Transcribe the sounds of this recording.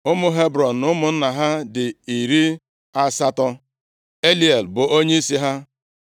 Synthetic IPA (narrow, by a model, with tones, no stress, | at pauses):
ʊ˦mʊ˦ɦe˦bɾɔ˨n̩ː˨ʊ˦mʊ˨n̩˦na˨ɦa˦dɪ˨i˨ɾi˦ | a˦sa˦tɔ˦ | e˦li˨e˨lbʊ˨ʔo˦ɲe˦i˦si˦ɦa˦